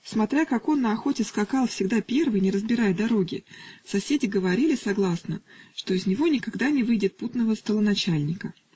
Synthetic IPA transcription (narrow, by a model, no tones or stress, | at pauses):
smɐt̪ɾʲakako̞nːəɐxo̞tʲɪskakɑlˠfsʲɪɡd̪apʲe̞rvɨjnʲɪɾəzbʲɪɾajd̪ɐɾo̞ɡʲɪsɐsʲedʲɪɡəvɐɾʲilʲɪsɐɡlˠasnəʂt̪o̞ɪzʲnʲɪvo̞nʲɪkaɡd̪anʲɪvɨjdʲɪt̪̚put̪nəvəst̪əlˠənɐt͡ɕælʲnʲɪkə